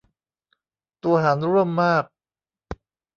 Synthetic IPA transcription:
t̪u˧ɐɦaː˩˦nɾu˥˩əmːaː˥˩k̚

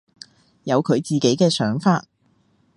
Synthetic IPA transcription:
jɐ˨˧wkʰɵ˨˧ɥt͡siː˨ke˨˥jkɛː˧sœː˨˥ŋfaː˧t̚

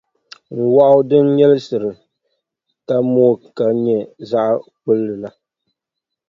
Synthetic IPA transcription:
ŋ̩˨wa˦ʔʊ˦dɨ˦nɲɛ˦lɨ˦sɨ˨ɾɨ˨ | ka˦moː˦ka˨ɲɛ˨za˦ʔk͡pu˦lːɨ˨la˨

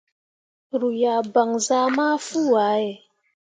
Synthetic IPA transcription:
ɾu˨ja˨ba˨ŋza˦ma˦fu˦˨a˨˦ɛ˨

